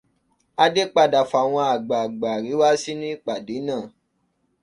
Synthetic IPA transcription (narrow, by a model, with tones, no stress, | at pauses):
a˧de˦k͡pa˧˨da˨fa˨w̃ɔ̃˧a˨ɡ͡ba˨ɡ͡ba˨ɾi˨˦wa˦si˦nĩ˦i˦˨k͡pa˨de˨˦nãː˦˨